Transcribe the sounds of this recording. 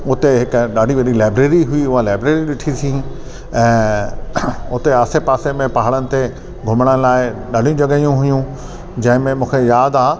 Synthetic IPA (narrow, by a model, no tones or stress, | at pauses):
ʊt̪eɦɪkɗaːɖʱiʋɐɗilaːɪbɾeːɾiɦʊiʊɦalaːɪbɾeːɾiɗɪʈʰit̪ʰĩ | ɛ̃ː | ʊt̪eaːsepaːsemẽpaɦaɽənɪ̆t̪e | ɡʱʊmɽ̃əlaːɪɗaːɖ̤ijũd͡ʑɐɠəijũɦʊjũ | d͡ʑɐ̃ɦɪ̃mẽmũːkʰejaːd̪aː